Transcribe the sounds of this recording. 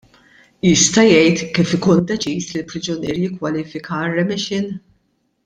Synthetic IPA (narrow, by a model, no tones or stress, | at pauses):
jɪst̪ɐjɛjt̪kiːfɪkuːnd̪ɛt͡ʃiːslɪlpɾɪd͡ʒɔniːɾjɪkːwɐliːfɪkɐrɛmɪʃɪn